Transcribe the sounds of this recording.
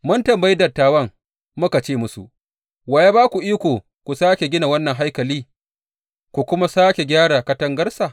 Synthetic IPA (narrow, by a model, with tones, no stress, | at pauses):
mʊ˦ntɐ˨mbɐ˦ji˦dɐ˨tːaː˨wɐ˦ŋ | mʊ˦ka˨t͡ʃeː˦˨mʊ˦sṵ˨ʔ | waː˨je˦baː˦kʷu˨ʔiː˦kʷoː˨ | kʷu˨saː˦kʲe˨ɡʲɪ˦na˨wɐ˦nːɐ˨ŋɦa˦jkɐ˨liː˦ | kʷu˨kʷʊ˦ma˦saː˦kʲe˨ɡʲaː˦ɽa˨kɐ˦tɐ˦ŋɡɐ˦ɾsaː˨